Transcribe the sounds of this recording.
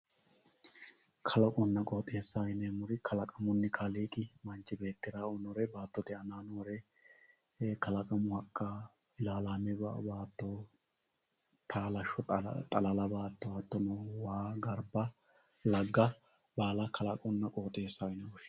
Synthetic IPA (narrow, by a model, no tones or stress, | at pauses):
kʰɐlɐkʼɔnːɐkʼoːt̪ʼeːsːajnɛmʊɾɪkʰɐlɐkʼɐmʊnːɪkʰaliːkʼɪmɐnt͡ʃːɪbe̞ːt̪ːɪɾaːɔnɔɾɛbaːt̪ːɔt̪ɛɐnaːnoɾɛ | kɐlɐkʼɐmʊhɐkʼːa | ɪlaːlaːnɛba̰baːt̪ːɔ | t̪ʰaːlɐʃɔt̪ʼɐlɐlɐbaːt̪ːɔɐt̪ːɔnɔwaːɡɐɾbɐ | lɐɡːɐ | baːlɐkʰɐlɐkʼɔnːɐkʼoːt̪ʼe̞ːsːajnɛʊʃ